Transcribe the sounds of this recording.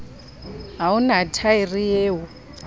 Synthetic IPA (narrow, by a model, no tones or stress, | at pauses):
ɦaunatʰairijeːɦʊ